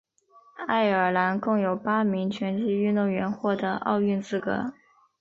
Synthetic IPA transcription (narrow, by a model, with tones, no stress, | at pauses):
a˥˩ɪə˞˨˩la˧˥nkɤ˥˩ŋjo˨˩ʊpa˥mi˧˥ŋt͡ɕʰɥɛ˧˥nt͡ɕi˥˧y˥˧nt̪ʊ˥˩ŋɥɛ˧˥nxwɔ˥˩d̪ə˧˩ʔɑ̰˥˧ʊy˥˧nt͡sɹ̩˥˩kɤ̰˧˥